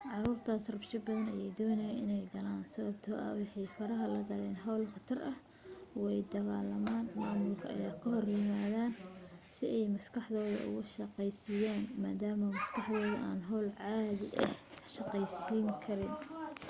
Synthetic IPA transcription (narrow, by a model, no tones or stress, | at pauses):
ʕɑruːrt̪ʰaːsrɐbʃɪbɐðɐnɐjɛjd̪ɔːnɛjaɪnɛjɡɐlaːnsɐβɐbt̪ʰɔːʔɐ̰wɑħɑjfɐɾɐɦɐlɐɡɐlɛːnɦɑwlqɑt̪ʰɐrʔɐh | wɛjd̪ɐɣaːlːɐmaːnmaːmʊlkʰɐʔɐ̰jaːkʰɐɦɔrjɪmaːðaːnsɪɛjmɐskʰɑħd̪ɔːðɐ̰ʔʊ̰ɣʊʃɑqɛjsɪjaːnma̰ːd̪aːmɐmɐskʰɑħðɔːðɐʔa̰ːnɦɔwlʕɑːðɪʔɐ̰h | ʃɑqɛjsiːŋkʰɐɾɪn